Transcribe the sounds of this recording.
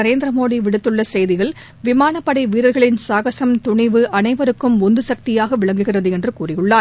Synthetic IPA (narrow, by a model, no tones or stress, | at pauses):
ɐɾeːnd̪ɪɾɐmoːðiʋɪɽɯt̪ːɯɭːɐsɛjðɪɣɐɭ | ʋɪmaːnɐpːɐɽɐɪʋiːɾɐɾɣɐɭɪnsaːɣɐsɐmt̪ʊɳɪʋɯʔɐnɐɪʋɐɾɯkːɯmʊnd̪ɯsɐk̚t̪ɪjaːɣɐʋɪɭɐŋɡɯɣɪrɐðɯɛndrɯkuːrɪjɯɭːaːɾ